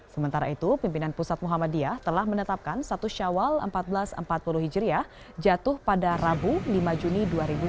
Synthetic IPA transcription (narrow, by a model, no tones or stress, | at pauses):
səmənt̪aɾa̰it̪upimpinanpusat̪̚muɦamadiaht̪əlahmənət̪ap̚kansat̪uʃawalə̰mpat̪̚bəlasə̰mpat̪̚puluɦid͡ʒɾiah | d͡ʒat̪ʊhpadarabulimad͡ʒuniduaɾibu